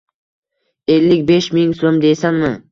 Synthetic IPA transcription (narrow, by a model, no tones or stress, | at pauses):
e̞lːɪkʲbe̞ʃmɪŋsomd̪ejsanmɪ